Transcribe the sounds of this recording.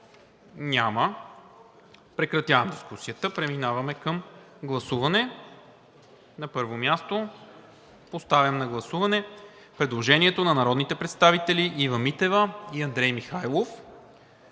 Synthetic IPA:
nʲamə | pɾɛkɾɐt̪ʲjavɐmd̪iskusijət̪əpɾɛminavɐmɛkɐm | ɡlˠɐsuvɐnɛ | nɐpɤɾvomjast̪o | post̪avjɐmnɐɡlˠɐsuvɐnɛ | pɾɛd̪lˠoʒɛnʲiɛt̪onɐnɐɾɔd̪nit̪ɛpɾɛt̪st̪avit̪ɛliʔivɐmit̪ɛvəiɐnd̪ɾɛjmixajlˠof

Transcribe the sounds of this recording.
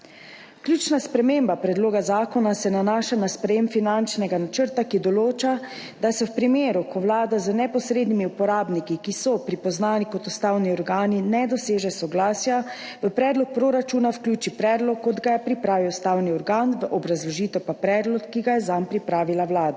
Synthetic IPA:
kljuːt͡ʃnaspɾɛmembapɾɛd̪loːɡazaːkɔnasɛnanaːʃanaspɾɛjeːmfinant͡ʃnɛɡanat͡ʃəɾt̪akid̪ɔloːt͡ʃa | d̪asɛwpɾimeːɾukɔwlaːd̪azənɛpɔsɾeːd̪nimiupɔɾaːbnikikisɔpɾipɔznaːnikɔt̪ust̪awniɔɾɡaːninɛd̪ɔseːʒɛsɔɡlaːsja | ʋəpɾɛːd̪lɔk̚pɾoːɾat͡ʃuːnawklʲjuːt͡ʃipɾɛːd̪lɔkːɔd̪ɡajɛpɾipɾaːʋiust̪aːwniɔɾɡanʋəʔɔbɾazlɔʒiːt̪ɛwpapɾɛːd̪lɔkːiɡajɛzampɾipɾaːʋilawlaːd̪a

